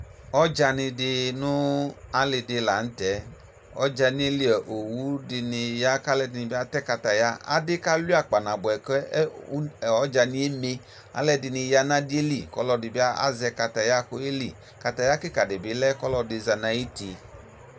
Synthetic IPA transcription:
ɔ˦d͡ʒa˧nɪ˧dɪ˧nʊ˦a˦lɪ˧dɪ˧la˨n̩˦tɛ˨˦ | ɔ̰˦d͡ʒa˧ni˦e˦li˦ɛ˨ʔo˨wu˦dɪ˧nɪ˧ja˦ka˦lɛ˧dɪ˧ni˧bi˦a˧tɛ˦ka˧ta˨ja˦a̰˦dɪ˦ka˦lu˦a˨k͡pa˨na˨bʊ˨ɛ˨kɛ˦˨ɔ˨˦d͡ʒa˧ni˧˦e˦me˧ | a̰˦lɛ˧dɪ˧nɪ˧ja˧na˦di˦e˦li˨kɔ˦lɔ˧dɪ˨bi˦a˦a̰˦zɛ˧ka˧ta˨ja˦ko˧˦e˦li˨ | ka˨ta˨ja˦ki˦ka˨dɪ˨bi˨˦lɛ˦kɔ˦lɔ˧dɪ˧za˧na˧i˦ti˧

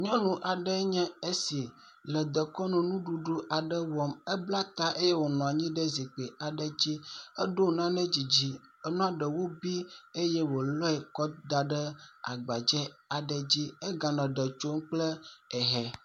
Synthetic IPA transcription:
ɲɔ̃˦nũ˨ʔa˨ɖɛ˦ɲɛ̃˦e˦si˨ | lɛ˨d̪ə˨kɔ˦nɔ̃˨nũ˦ɖu˨ɖu˦ʔa˨ɖə˦wɔ˦mɛ˦bla˦t̪a˦ʔe˦jɛ˦wo˨nɔ̃˨a˨ɲĩ˦ɖɛ˦zi˨k͡pe˨a˨ɖə˦d͡ʑi˦ɛ˦ɖo˦˨nã˦nɛ̃˦d͡ʑi˨d͡ʑi˦ | ɛ˦nɔ̃˦a˦ɖə˨wo˦bi˦e˦jɛ˦wo˨lɔ˦ɛ˨kɔ˦d̪a˨ɖə˦a̰˨ɡ͡ba˨d͡ʒɛ˦a˨ɖɛ˨d͡ʑi˦e˦ɡa˨nɔ̃˨ɖə˨t͡ʃo˦m˦k͡plɛ˦ɛ˨ɦɛ˨

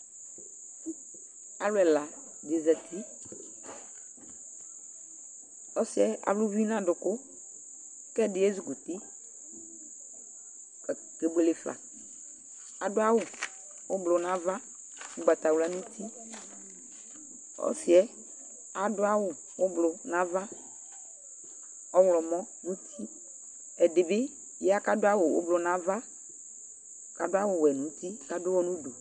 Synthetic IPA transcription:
a˨lʊ˦ɛ˨la˨ | d̪ɪ˨zɛ˨t̪ʰi˦ | ɔ˦si˨ɛ˦a̰˨vlʊ˦vi˦nã˦ɖʊ˨kʊ˦ | kɛ˦ɖɪ˨e˦zu˨ɡo˨t̪i˦ | ɡe˨ɡ͡be˨le˨fa̰˨ | a˨ɖʊ˦a˦wo˨ | wo˦blʊ˨nã˦va˦ | ʊ˦ɡ͡ba˨t̪a˨wla˦nũ˦t̪ʰi˦ | ɔ̰˦si˨˦ɛ˦ | a˨dʊ˦a˦wʊ˨ | wo˦blʊ˨nã˦va˦ | ɔ˦wlɔ˨mɔ̃˦ | nũ˦t̪ʰi˦ | ɛ˨dɪ˨be˦ | jɛ˦a˦ka˦dʊ˦a˦wo˨wo̰˦blʊ˨nã˨˦va˦ | ka˨dʊ˦a˦wʊ˨wɛ˨nũ˨t̪i˦ka˦dʊ˦wɔ˦nũ˦ɖo˨

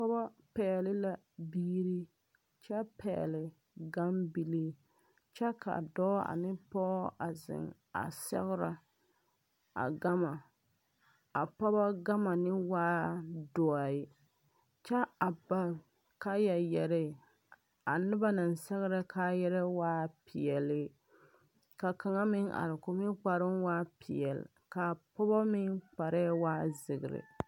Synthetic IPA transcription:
pɔ˦ba˦pɛ˨lɪ˦la˨ | biː˦ɾi˦ | t͡ʃɛ˦pʰɛ̰˨lɪ˨ | ɡa˦mbi˨li˦ | t͡ʃɛ˦ka̰˨dɔː˦a̰˨nɪ˦pɔ˦ʔa˨zɪ̰˨ŋ | a̰˨sɛ̰˦ɣɪ˦ɾa˨ | a̰˨ɡa˦ma˨ | a˨pɔ˦ba˦ɡa˦ma˨nɪ˦waː˦dɔ˨a˨ɪ˦ | t͡ʃa˦a˨ba˦l | ka˦ja˨jɛ˨ɾɛ˦˨ | a˨nɨ˦ba˦na˨n˨sɛ˦ɣɨ˦ɾa˦kʰa˦jɛ˦ɾɛ˦waː˦pʰi˨ɛ˨lɪ˦ | ka˨ka˨ŋa˦mɪ˦ŋʔa̰˨ɾɪ˨ko˨mi˦k͡pa˨ɾɨ˦mwaː˦pʰi˨jɛ˨l̰ | ka˨pɔ˦ba˦mɪ˦ŋk͡pa˨ɾa˦waː˦zɨ˨ɡɨ˨ɾɪ̰˨

